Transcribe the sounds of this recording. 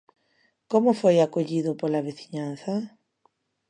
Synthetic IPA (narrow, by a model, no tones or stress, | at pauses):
komʊfojakoʎiðʊpolaβeθiɲan̟θɐ